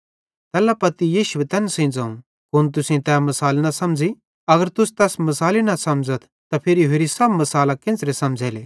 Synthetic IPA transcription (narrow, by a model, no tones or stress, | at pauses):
t̪ɛːlapɐt̪ijiːʃʊwet̪ɛːnsẽːd͡zaːũ | kʊnt̪̬ʊsĩt̪ɛːmɐsaːlnɐsɐmd͡zi | ɐɡəɾt̪ʊst̪ɛːsmɐsaːlinɐsɐmd͡zət̪ʰ | t̪apʰɪɾiɦeːɾisɐbmɐsaːlakɪ̃nsɾesɐ̃md͡zʱɛːleː